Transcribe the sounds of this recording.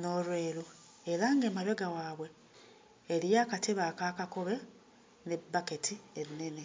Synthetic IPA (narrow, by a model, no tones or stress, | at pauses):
noɾweːlu | eɾaŋɡeːmaβeɡawaːβwe̞ː | ɾijaːkatʰeβaːkakakoβe̞ | nebːaketʰienːe̞ne